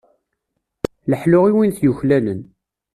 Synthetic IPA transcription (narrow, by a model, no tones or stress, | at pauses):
ləħlʊʁiwinθjuçlænən